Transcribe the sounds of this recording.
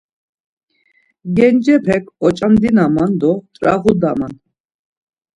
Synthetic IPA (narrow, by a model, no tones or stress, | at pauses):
ɡɛnd͡ʒɛpʰɛkʰɔt͡ʃʼamd̪inamand̪ɔt̪ʼɾaɣud̪aman